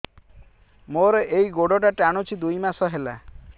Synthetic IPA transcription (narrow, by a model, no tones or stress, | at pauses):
moɾeʔejɡoɖɔʈ̬aʈaɽ̃ot͡ʃʰid̪ujmasɔɦela̰